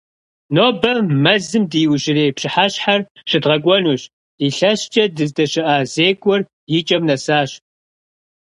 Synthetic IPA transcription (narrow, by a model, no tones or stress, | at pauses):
noːbɐmɐzɨmdɨjwʑɪreːpɕɪħaɕħarɕɪdʁɐɡʷʼɔnuːɕ | iɬɐɕt͡ʃʼɐdɨzdɐɕɪʔaːzeːkʷʼɔr | jɪt͡ʃʼɐmnɐsaːɕ